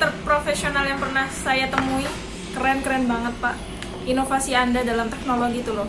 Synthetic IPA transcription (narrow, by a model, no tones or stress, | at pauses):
t̪ərpɾofɛsionaljaŋpərnahsajat̪əmui | kəɾɛnkɾɛnbaŋət̪̚paʔ | inofasiandadalamt̪ɛk̚noloɡit̪ulɔ